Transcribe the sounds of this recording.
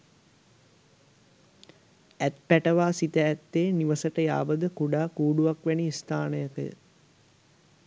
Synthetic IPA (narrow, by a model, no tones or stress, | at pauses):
æt̪̚pæʈəʋaːsit̪əːt̪ːeːniʋəsəʈəja̰ːbəd̪əkuɖaːkuːɖuʋakʋæniːst̪ʰaːnəjəkəjə̰